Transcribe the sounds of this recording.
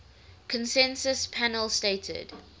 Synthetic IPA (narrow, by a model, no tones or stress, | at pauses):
kʰə̃nsɛ̃nsəspʰænəlˠsteɪtʰə̰d̥